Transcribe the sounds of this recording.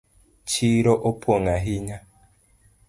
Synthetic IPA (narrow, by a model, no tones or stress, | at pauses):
t͡ʃiɾoʔopʰoŋaɦiɲa